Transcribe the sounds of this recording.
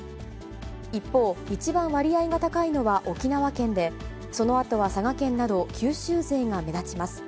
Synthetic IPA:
ipːo̞ːit͡ɕibãɰ̃βaɾʲiaiɡat̪akaino̞βaʔo̞kʲinaβakẽ̞nd̪e̞ | so̞no̞at̪o̞βasaɡakẽ̞nːad̪o̞kʲʰɨːɕɨːze̞ːŋame̞zat͡ɕimasɨ̥

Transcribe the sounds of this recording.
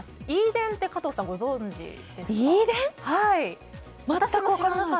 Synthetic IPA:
sɨ̥iːd̪ẽ̞nt̪e̞kat̪osaɡo̞zõɲd͡ʑḭ | d̪̥e̞sid̪ẽhai | mat̪aamoɕ

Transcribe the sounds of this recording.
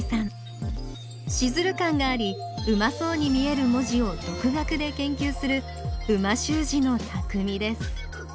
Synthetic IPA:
sãɴ | ɕizɨɾɯ̟kãŋɡaːɾʲiɯ̟maso̞ːɲ̟imʲie̞ɾɯ̟mo̞ʑio̞d̪̥o̞kɯ̟ɡakɯ̟d̪e̞kẽ̞ŋkʲɨːsɨɾɯ̟ | ɯ̟maɕɨːʑino̞t̪ʰakɯ̟mʲid̪e̞sɨ̥

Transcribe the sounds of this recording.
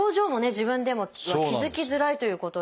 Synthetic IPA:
oːʑo̞ːmo̞ne̞ʑibɯ̟̃nd̪e̞mo̞βakʲizɨkʲizɨɾait̪o̞jɯ̟ːko̞t̪o

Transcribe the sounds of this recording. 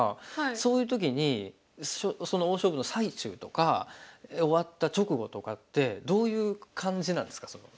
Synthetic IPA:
aaso̞ːjɯ̟ːt̪̬o̞k̬ʲiɲ̟i | ɕoso̞no̞oːɕo̞ːbɯ̟nosait͡ɕɨ̰ːt̪o̞ka | o̞βat̪ːat͡ɕo̞kɯ̟ɡo̞t̪o̞kat̪ːe̞d̪o̞ːjɯ̟ːkʰãɲ̟d͡ʑinãnd̪e̞sɨ̥kḁso̞no̞̰

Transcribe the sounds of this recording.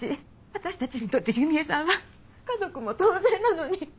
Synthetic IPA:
i | βat̪aɕi̥t̪at͡ɕiɲ̟it̪o̞t̪ːeçɯmʲiesãɰ̃a | kazo̞kɯ̟mo̞t̪oːzẽnːano̞ɲ̟i

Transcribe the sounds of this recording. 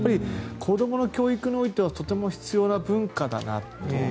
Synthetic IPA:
aɾʲikʰo̞d̪o̞mo̞no̞kʲo̞ːikɯ̟ɲʲio̞it̪e̞β̞at̪o̞t̪e̞mo̞çi̥t͡sɨjo̞ːnabɯ̟̃ŋkad̪a̰na̰t̪ːe

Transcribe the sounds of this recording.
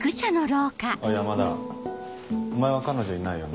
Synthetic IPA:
kɯ̟ɕanoɾoːkaojamad̪a̰ | omaeβakano̞d͡ʑoinaijone

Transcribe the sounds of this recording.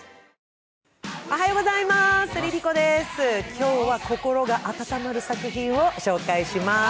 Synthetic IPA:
oɦajo̞ːɡo̞zaimasɨɾʲiɾʲiko̞d̪e̞sɨkʲo̞ːβako̞ko̞ɾo̞ɡaʔat̪at̪amaɾɯ̟sakɯ̟çĩɰ̃o̞ɕo̞ːkaiɕima

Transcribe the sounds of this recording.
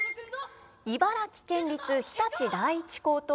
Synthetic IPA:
ibaɾakʲi̥kẽ̞ɲɾʲit͡sɨçi̥t̪at͡ɕid̪aiːt͡ɕi̥ko̞ːt̪o

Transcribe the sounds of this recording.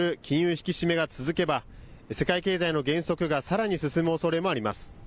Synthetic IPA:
ɾɯ̟kʲĩɰ̃jɯːçi̥kʲiɕime̞ɡat͡sɨzɨke̞base̞kaike̞ːzaino̞ɡẽ̞ɰ̃so̞kɯ̟ɡasaɾaɲ̟isɨsɨmɯ̟o̞so̞ɾe̞mo̞aɾʲima̰sɨ̥

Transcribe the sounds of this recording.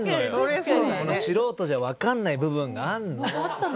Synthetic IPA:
ɯnojsokonoɕiɾo̞ːt̪o̞ʑaβakanːaibɯ̟βɯ̟̃ŋɡaaɾɯ̟nːo

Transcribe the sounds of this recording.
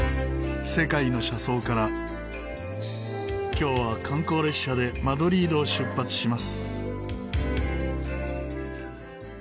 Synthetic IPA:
se̞kaino̞ɕaso̞ːkaɾa | kʲo̞ːβakʰãŋko̞ːɾe̞ɕad̪e̞mad̪o̞ɾʲiːd̪o̞ːɕɨpːat͡sɨ̥ɕimasɨ̥

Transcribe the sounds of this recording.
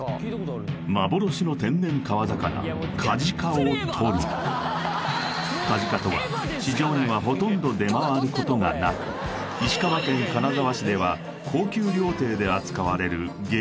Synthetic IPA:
mabo̞ɾo̞ɕino̞t̪ẽ̞nːẽ̞ŋkaβazakana̰ | kʰaʑikaot̪ʰo̞ɾɯ | kaʑikat̪o̞βa̰ | ɕiʑo̞ːɲ̟iβaɦo̞t̪õ̞nd̪o̞d̪e̞maβaaɾɯ̟ko̞t̪o̞ŋanakɯ̟̥ | iɕi̥kaβakẽ̞ŋkanazaβaɕid̪e̞β̞a | kʰo̞ːkʲɨːɾʲo̞ːt̪e̞ːd̪e̞at͡sɨ̥kaβaɾe̞ɾɯ̟ɡ

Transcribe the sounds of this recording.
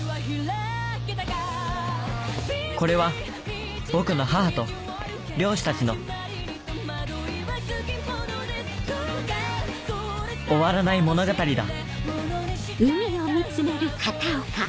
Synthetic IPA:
ko̞ɾe̞βa | bokɯ̟no̞ɦaːat̪o̞ | ɾʲo̞ːɕi̥t̪at͡ɕino̞ | oβaɾanaimo̞no̞ɡat̪aɾʲid̪a̰ | mɯiomʲit͡sɨme̞ɾɯ̟kʰat̪aoka

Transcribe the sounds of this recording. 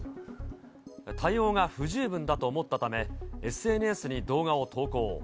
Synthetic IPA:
t̪ʰaio̞ːɡaɸɯ̟ʑɨːbɯ̟̃nd̪at̪o̞ːmo̞t̪ːat̪ame̞esɨe̞ːnɯ̟esɨɲ̟id̪o̞ːɡao̞t̪ʰo̞ːko̞ː

